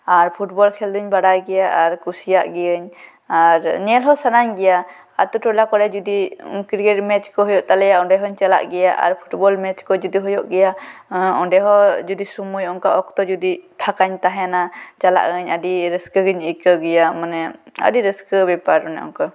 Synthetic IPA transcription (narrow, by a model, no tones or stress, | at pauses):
aɾpʰuʈbɔlkʰɛld̪uɲbaɽajɡɛjaʔaɾkusijaʔɡɛəɲ | aɾnɛlɦɔsanaɲɡɛja | a̰t̪uʈɔlakɔɽɛd͡ʒud̪ikiɾkɛʈmɛt͡ʃkɔɦɔjɔʔt̪alɛjaɔɖɛɦɔɲt͡ʃala̰ʔɡɛjaʔa̰ɾpʰu̥ʈbɔlmɛt͡ʃkɔd͡ʒud̪iɦɔjɔʔɡɛjaɔɖɛɦɔd͡ʒud̪isumujɔŋkaʔɔkt̪ɔd͡ʒud̪ipʰakaɲt̪aɦɛnat͡ʃala̰ʔəɲəɖiɾəskəɡəɲikəɡɛjamanɛə̰ɖiɾəskəbɛpaɾɔ̰nɛ̰ʔɔ̰ŋka